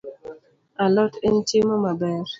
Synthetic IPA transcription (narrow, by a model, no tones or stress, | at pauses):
alɔteɲt͡ʃemɔmabɛɾ